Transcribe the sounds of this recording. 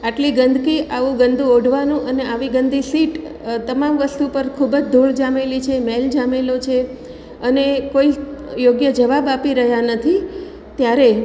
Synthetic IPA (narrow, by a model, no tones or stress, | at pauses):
aʈliɡənd̪ʱkiʔaʋũɡənd̪ʱũoɖʱʋanũʔəneaʋiɡənd̪ʱisiʈ | t̪əmamʋəst̪upəɾkʰubəd͡ʒd̪ʱoɭd͡ʒamelit͡ʃʰemeld͡ʒamelot͡ʃʰe | ənekoijoɡjəd͡ʒəʋabapiɾəɦjanət̪ʰi | t̪jaɾe